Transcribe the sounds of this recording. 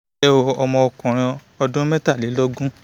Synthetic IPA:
ɛ˦o˧ɔ˧mɔ̃˧ɔ˧kɔ̃˨ɾ̃ã˧ | ɔ˧dũ˦me˦ta˦˨li˨˦lɔ˦ɡũ˦

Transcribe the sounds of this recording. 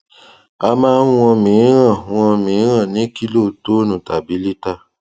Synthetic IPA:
a˧mãː˦w̃ɔ̃˧mĩ˨˦ɾã˦˨w̃ɔ̃˧mĩ˨˦ɾ̃ã˦˨nĩ˨˦ki˦lo˦˨to˦nũ˨ta˨bi˨˦li˦ta˦˨

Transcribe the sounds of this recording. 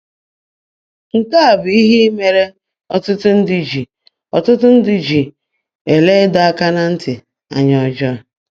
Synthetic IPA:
ŋ̩˨ka˦a˨bi˦ɦi˦me˨ɾe˦ | ɔ˦tʊ˦tʊ˦n̩˦dɪ˨d͡ʒi˨ | ɔ˨tʊ˦tʊ˦n̩˦dɪ˨d͡ʒi˨ | e˨le˦dɔ˨a˦ka˦na˦n̩˦tɪ˨ | a̰˨ɲɔ˨d͡ʒɔ˦a˨

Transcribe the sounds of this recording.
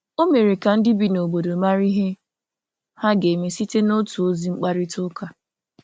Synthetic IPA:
o˦me˨ɾi˨ka˨n̩˦dɪ˦bi˨no˨bo˨do˨ma˦ɾi˦ɦe˦ | ha˦ɡe˨me˨si˦te˦no˦tu˨o˦zi˨˦ŋ͡m̩˦k͡pa˦ɾɪ˦tʊ˦ka˨

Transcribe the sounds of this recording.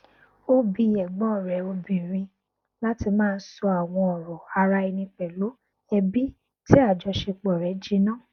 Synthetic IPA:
o˦˧bi˧ɛ˨ɡ͡bɔ̃˨˦˨ɾɛ˨˦o˧bĩ˨ɾ̃ĩ˧ | la˦ti˧mãː˦˧n̩˦sɔ˧a˨w̃ɔ̃˧ɔ˨ɾɔ˨a˧ɾa˧i˧nĩ˧k͡pɛ˨lo˨˦ | ɛ˧bi˦ | ti˦a˦˨d͡ʒɔ˧˦ʃe˧k͡pɔ˨ɾɛ˨˦d͡ʒi˦nã˦˨

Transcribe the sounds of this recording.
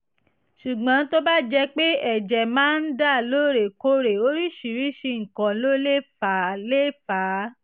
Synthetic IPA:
ʃu˨ɡ͡bã˨˦to˦ba˦d͡ʒɛ˧k͡pe˦ɛ˦˨d͡ʒɛ˨mãː˨˦n̩˦da˦˨lo˦ɾe˨ko˧ɾe˨o˦ɾi˦ʃi˨ɾi˨˦ʃi˧ŋ̩˨kã˨˦lo˦le˦fa˨˦le˦fa˨˦

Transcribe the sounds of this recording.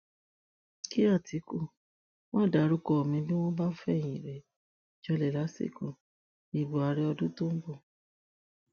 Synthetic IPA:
ki˦a˦˨tʰi˨˦ku˦˨ | w̃ɔ̃˦˨da˨˦ɾu˦kɔ˧˨mĩ˧bi˦w̃ɔ̃˦ba˦fɛ˦˨j̃ĩ˨ɾɛ˨ | d͡ʒɔ˧lɛ˨la˨˦sḛ˦˨kũ˨ | i˨bu˨a˧ɾɛ˦ɔ˧dũ˦to˦m̩˦bo˦˨

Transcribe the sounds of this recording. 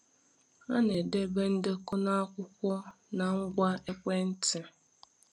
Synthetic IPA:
a˦ne˨de˦be˦n̩˦dɪ˦kʊ˦na˦a˦kʷʊ˦kʷɔ˦ | na˨ŋ̩˦ɡʷa˦e˦kʷe˦n̩˦tɪ˨

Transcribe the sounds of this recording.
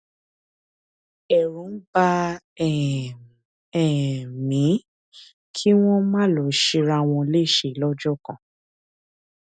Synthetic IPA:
ɛ˨ɾũ˨˦n̩˦ba˦˨ | ɛ˨mĩ˨˦ | kʰi˦w̃ɔ̃˦mãː˦˨lɔ˨˦ʃi˧ɾa˧w̃ɔ̃˧le˦˨ʃe˧˨˦lɔ˦d͡ʒɔ˦˨kã˨

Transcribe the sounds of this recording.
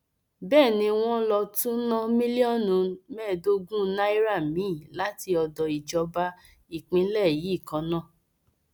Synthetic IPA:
bɛː˦˨nĩ˧w̃ɔ̃˦lɔ˧tũ˦nɔ̃˦mĩ˦li˦ɔ˦˨nũ˨˦mɛ˦˨do˦ɡũ˦na˦i˦ɾa˦˨mĩ˨˦˨la˨˦ti˧ɔ˧dɔ˨i˨d͡ʒɔ˧˦ba˧ | i˨k͡pĩ˧˦lɛ˦˨ji˨˦˨kã˨˦nãː˦˨

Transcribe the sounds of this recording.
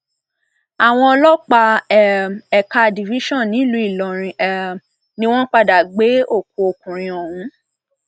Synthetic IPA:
a˨w̃ɔ̃˧ɔ˧lɔ˦k͡pa˧˨ | ɛ˨ka˧di˨vi˨˦ʃɔ̃˦˨nĩ˨˦lu˨˦i˦˨lɔ˨ɾ̃ĩ˨˧ɛ˨ | nĩ˦w̃ɔ̃˦k͡pa˦da˨ɡ͡be˨˦o˦˨k̚ũ˨˦o˨kũ˨ɾ̃ĩ˧ɔ˨hũ˨˦

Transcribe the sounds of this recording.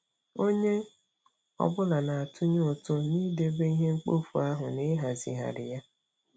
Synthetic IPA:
o˦ɲe˦ | ɔ̰˨bʊ˦la˨na˨a˨tʰʊ˦ɲʊ˦ʊ˨tʊ˦niː˦de˦be˦i˦ɦe˦ŋ͡m̩˦k͡po˦fu˨a˦ɦʊ˨ne˦ɦa˨zḭ˨ɦa̰˨ɾɪ̰˨ja˦

